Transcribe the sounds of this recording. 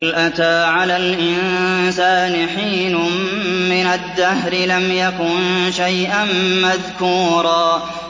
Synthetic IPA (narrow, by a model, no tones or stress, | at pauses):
lʔat̪aːʕalaːlʔɪnsaːnɪħiːnʊː | ɪnad̪ːahɾɪlamjakʊnʃajʔamːaðkuːɾˤɑː